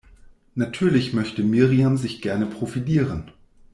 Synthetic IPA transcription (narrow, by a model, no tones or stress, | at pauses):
natʰyːɐlɪçmœçtəmiːʁiamzɪçɡ̥ɛɐnəpʁ̥ofiliːʁ̞ən